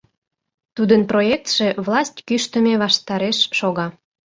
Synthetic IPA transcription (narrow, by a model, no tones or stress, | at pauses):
t̪ud̪ənproek̚t̪ʃĕβlɑsʲtʲkyʃt̪ə̆meβɑʃt̪ɑɾeʃːoɣɑ